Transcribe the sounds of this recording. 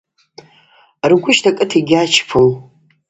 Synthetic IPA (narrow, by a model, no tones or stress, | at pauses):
rɡʷʊʃtʰakʼɨtʰiɡʲat͡ʃʰpʰɨl